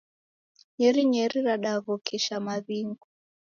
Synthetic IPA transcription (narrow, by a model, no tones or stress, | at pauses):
ɲɛɾiɲɛɾiɾaɗaɣɔkʰiʃamaβiŋɡu